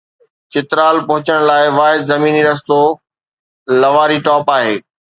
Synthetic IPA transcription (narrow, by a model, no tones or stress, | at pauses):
t͡ɕɪt̪ɾaːlpɐ̃ɦʊt͡ɕəɽ̃laːɪʋaːɦɪd̪zɐmiːniɾɐst̪o | lɐʋaːɾiʈɔːpaːɦeː